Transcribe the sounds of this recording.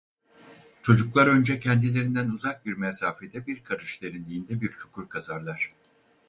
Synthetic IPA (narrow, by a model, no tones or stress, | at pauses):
t͡ʃʰo̞d͡ʒuklˠaɾø̞nd͡ʒɛcʰɛnd̪ilʲe̞ɾind̪ænuzak̚biɾmɛsaːfe̞d̪ɛbiɾkʰaɾɯʃlʲeɾind̪ʲiind̪ɛbiɾt͡ʃʰu̥kʰuɾkʰazaɾlˠaɾ̝̥